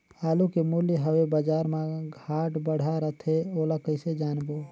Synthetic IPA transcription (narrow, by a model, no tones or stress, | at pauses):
haːlukemuljɦəwebəd͡ʒaɾmãɡʱaʈbəɽ̤aɾət̪ʰeolakəɪsed͡ʒaːnbo